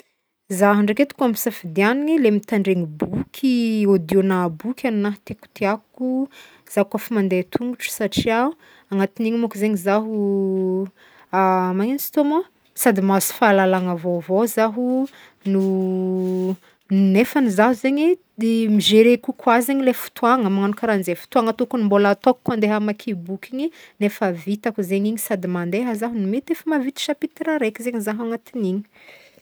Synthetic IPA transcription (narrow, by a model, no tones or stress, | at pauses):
zaɦaɳɖ͡ʐaket̪u̥kamisafid̪ianiɲilemit̪aɳɖ͡ʐeŋibukʰʲiod̪jonabukʲʰaninaɦt̪eaku̥t̪iaku | z̥akafimand̪et̪ʰuŋɡuʈ͡ʂu̥saʈ͡ʂiau | aŋat̪iniɲimakuzeɲizaɦu | amaɲansi̥t̪omo | sad̪imazi̥falalaŋavovozaɦu | nu | nefənizaɦuzeɲi | miʒeɾekukwazeɲilefu̥t̪uaŋəmaŋanukaɾanzefu̥t̪uaŋət̪okunimbolat̪okkːand̪eɦamakʰibukiɲinefəvit̪akuzeɲiɲisad̪imand̪eɦazaɦunimet̪efəmavit̪i̥ʃapit̪ɾaɾekizeɲizaɦaŋat̪iniɲi̥